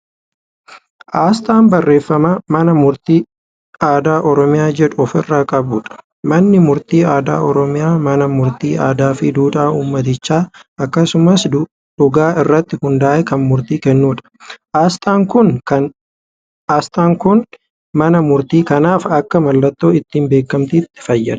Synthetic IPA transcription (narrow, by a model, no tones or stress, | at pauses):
ʔaːst̪aːmbɐrːe̞ːfːɐmɐmɐnɐmʊɾt̪iː | aːd̪aːʔɔɾɔmɪjaːd͡ʒɛᶑʊɔfɪrːaːkʼɐbuːᶑɐ̥ | mɐnːɪmʊɾt̪iːaːd̪a̰ːʔɔɾɔmɪjaːmɐnɐmʊɾt̪iːʔaːd̪aːfɪd̪uːᶑ̪aːuːmːɐt̪̬ɪt͡ʃːaːɐkːɐsʊmɐsd̪ | ᶑʊɡaːɪrːɐt̪ːɪhʊnd̪aːʔɛkɐnmʊɾt̪iːkɛnːuːᶑɐ̥ast̪aːŋkʊnkɐn | aːst̪aːŋkʊn | mɐnɐmʊɾt̪iːkɐnaːfɐkːɐmɐlːɐt̪ːo̞ːɪt̪ːiːmbe̞ːkːɐmt̪ɪːt̪ːɪ̥fɐjːɐ̰d̪ɐ̥